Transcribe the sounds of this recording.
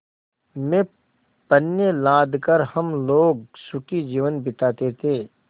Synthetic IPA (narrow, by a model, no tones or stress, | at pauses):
mẽ | pənjelaːd̪ʱkəɾhəmloːɡsʊkid͡ʒiːʋənbɪt̪aːt̪et̪ʰeː